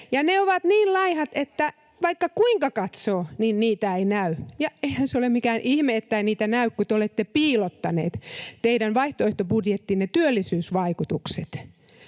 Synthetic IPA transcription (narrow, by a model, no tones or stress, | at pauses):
jɑneoʋɑt̪niːllɑihɑt̪et̪ːæ | ʋɑikːɑkuiŋkɑkɑt̪soːninniːt̪æeinæyjɑeihænseolemmikæːnʔihmeːt̪ːæiniːt̪ænæykkut̪eolet̪ːepiːlot̪ːɑnḛːt̪t̪eiɾænʋɑiht̪oeht̪obudjet̪ːinnet̪yølːisyːsʋɑikut̪ukset̪